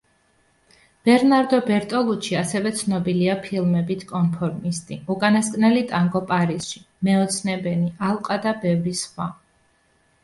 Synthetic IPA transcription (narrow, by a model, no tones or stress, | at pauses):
b̥ɛɾnaɾd̪ɔbɛɾt̪ʼɔlˠut͡ʃʰiasɛvɛt̪sʰnɔbiliapʰilˠmɛbit̪ʰkʼɔnpʰɔɾmist̪ʼiukʼanaskʼnɛlit̪ʼaŋɡɔpʼaɾisʃi | mɛɔt̪sʰnɛbɛniʔalˠqʼad̪abɛvɾisχwa